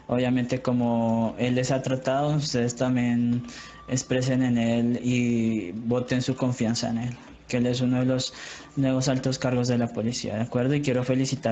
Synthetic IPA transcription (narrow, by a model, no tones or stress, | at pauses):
oβjamẽnt̪e̞ko̞mo̞e̞lesat̪ɾat̪aðo̞ust̪e̞ðe̞st̪ambje̞n | espɾe̞s̬ene̞ne̞liβo̞t̪e̞nsuko̞ɱfjansaene̞l | keele̞s̬unoðelo̞s | nwe̞βo̞salt̪o̞skaɾɣo̞zðe̞lapo̞lisḭa̰ðeakwe̞ɾðoikje̞ɾo̞fe̞lisit̪a